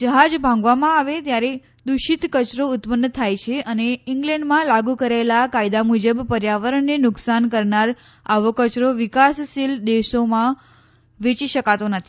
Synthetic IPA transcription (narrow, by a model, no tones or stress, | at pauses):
d͡ʒəɦad͡ʒbʱãŋɡʋamãaʋet̪jaɾe | d̪uʃit̪kət͡ʃɾoʊt̪pənːət̪ʰajt͡ʃʰeʔəneɪŋɡlɛ̃ɳɖmãlaɡukəɾalakaid̪amud͡ʒəbpəɾjaʋəɾəɳːenʊksankəɾnaɾ | aʋokət͡ʃɾoʋɪkassild̪eʃomã | ʋet͡ʃiʃəkat̪onət̪ʰi